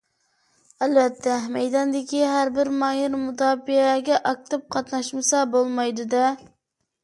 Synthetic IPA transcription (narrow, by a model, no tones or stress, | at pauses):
ælvɛt̪ʰːɛmɛjd̪ɑnd̪ɪkʲʰiɦæɾbɪɾmɑjɪɾmud̪ɑːpiɛɡʲɛʔɑk̚t̪ʰɨp̚qʰɑt̪nɑʃmɨsɑbolˠmɑjd̪ɨd̪ɛ